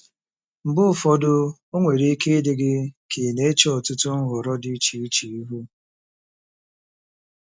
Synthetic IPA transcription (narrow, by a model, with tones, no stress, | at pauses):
m̩˨bʊ˦˨fɔ˨dʊ˦o˦ŋʷe˨ɾi˦ke˦dɪ˨ɡɪ˦kʰe˨ne˦t͡ʃɔ˨tʊ˦tʊ˦n̩˦ɦʊ˨ɾɔ˦di˦t͡ʃi˨i˦t͡ʃi˨i˦ɦu˦